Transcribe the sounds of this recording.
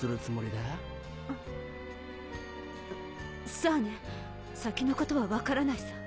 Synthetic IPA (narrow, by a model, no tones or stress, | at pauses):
sɨɾɯ̟t͡sɨmo̞ɾʲid̪a | soːne | sakʲino̞ko̞t̪o̞βaβakaɾanaisḁ